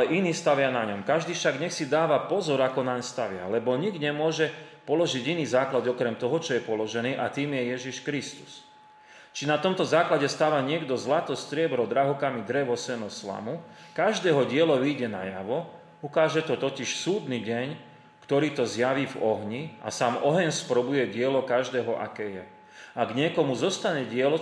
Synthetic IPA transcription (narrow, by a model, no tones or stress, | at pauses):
alɛʔiniːst̪aʋɪanaɲɔmkaʒd̪iːfʃaɡɲɛxsid̪aːʋapɔzɔɾakɔnaɲst̪aʋɪa̰lɛbɔɲiɡɲɛmʊɔʒɛpɔlɔʒiɟiniːzaːklad̪ɔkɾɛmt̪ɔɦɔt͡ʃɔjɛpɔlɔʒɛniːʔat̪iːmjɛjɛʒiʃkɾist̪u̥s | t͡ʃinat̪ɔmt̪ɔzaːklaɟɛst̪aːʋaɲɪɛɡd̪ɔzlat̪ɔst̪ɾɪɛbɾɔd̪ɾaɦɔkamid̪ɾɛʋɔsɛnɔsla̰mukaʒd̪ɛːɦɔɟɪɛlɔʋiːɟɛna̰jaʋɔ | ukaːʒɛt̪ɔt̪ɔciʃsuːd̪niɟɛɲ | kt̪ɔɾiːt̪ɔzjaʋiːvɔɦɲia̰saːmɔɦɛɲspɾɔbujɛɟɪɛlɔkaʒd̪ɛːɦɔʔa̰kɛːjɛ | aɡɲɪɛkɔmuzɔst̪aɲɛɟɪɛlɔ